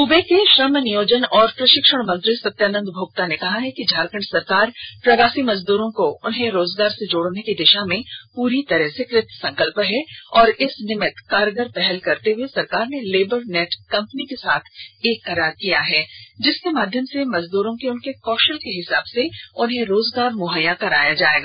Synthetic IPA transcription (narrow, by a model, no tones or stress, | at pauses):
uːbekeʃɾəmnɪjoːd͡ʒənɔːɾpɾɐʃɪkʃəɽ̃mɐ̃nt̪ɾɪsɐt̪ːjaːnə̃nd̪bʱoːɡ̚t̪anekɐɦaɦɛkid͡ʒʱaːɾkəɳɖsɐɾkaːɾpɾɐɡaːsimɐzd̪uːɾõkoʊnɦẽɾoːzɡaːɾsed͡ʒoːɽnekid̪ɪʃamẽpuːɾit̪ɐɾəɦsekɾɪt̪ʰːsɐ̃ŋkəlpɦɛɔːɾɪsnɪmɪt̪kaːɾɡəɾpɛɦɛlkɐɾt̪eɦuesɐɾkaːɾneleːbəɾnɛːʈkɐ̃mpənikesaːt̪ʰeːkːɐɾaːɾkijaɦɛːd͡ʒɪskemaːd̪ʱjəmsemɐzd̪uːɾõkiʊnkekɔːʃəlkeɦɪsaːbseʊnɦẽɾoːzɡaːɾmʊɦəjãkɐɾa̰ːjad͡ʒaːeːɡa